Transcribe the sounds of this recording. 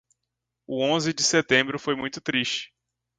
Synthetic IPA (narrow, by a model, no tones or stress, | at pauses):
ʊõzɪd͡ʒɪset̪ẽmbɾʊfojmũj̃t̪ʊt̪ɾiʃt͡ʃɪ̥